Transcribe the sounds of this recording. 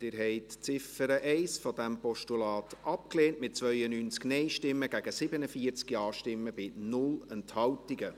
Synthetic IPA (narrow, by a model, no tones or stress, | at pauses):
d̥ɪːɾɦɛɪtt͡sɪfəɾəʔɛɪsfɔdæmpɔʃtulɑːtʰʔɑp̚kleːntmɪt̚t͡svœʏənyːnt͡sknɛɪʃtɪmːəɡæɡ̥əsɪbənəfiəɾt͡skiɑːʃtɪmːəbɪnʊlɛnthɑwtiɡə